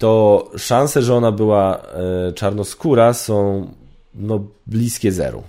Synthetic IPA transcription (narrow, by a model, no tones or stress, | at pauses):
t̪ɔʂãnsɛʐɛɔnabɘwa | t͡ʂaɾnɔskuɾasɔ̃w̃ | nɔblʲiskʲɛzɛ̰ɾṵ